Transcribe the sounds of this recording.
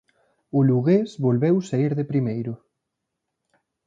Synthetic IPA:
ʊluɣezβolβewsaiɾðepɾimejɾʊ

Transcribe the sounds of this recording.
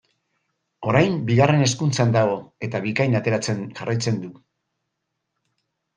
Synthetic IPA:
o̞ɾajmbiɣ̞are̞ne̞skunt͡sand̪aɣ̞o̞e̞t̪aβikajnat̪e̞ɾat͡senʝarajt͡se̞nd̪u

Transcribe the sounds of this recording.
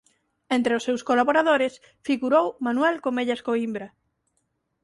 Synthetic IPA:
ent̪ɾeʊsːewskolaβoɾaðoɾɪs | fiɣuɾowmanwɛlkomeʎaskoimbɾɐ

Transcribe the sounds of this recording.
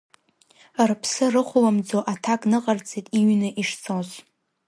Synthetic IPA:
rpʰsɨrɨχʷʊlamd͡zoʔatʰakʼnɨqʼart͡sʰʼetʼiɥnɨʔiʂt͡sʰoz

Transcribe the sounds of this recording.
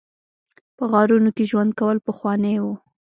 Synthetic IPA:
pəɣɑɾunokeʒwand̪̚kawəlpəxwɑnəjwo

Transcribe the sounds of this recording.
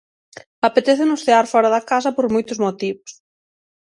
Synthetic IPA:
apet̪eθenʊsθeaɾfɔɾɐðɐkas̬ɐpoɾmojt̪ʊzmot̪iβʊs

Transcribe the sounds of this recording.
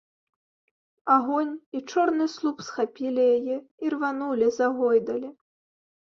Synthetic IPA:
aɣɔnʲit͡ʂɔrnɨslˠupsxapʲilʲijajɛirvanulʲizaɣɔjd̪ɐlʲi

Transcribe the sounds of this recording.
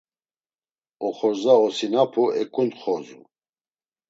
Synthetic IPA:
ɔχɔɾzaɔsinapʰuɛkʼunχɔzu

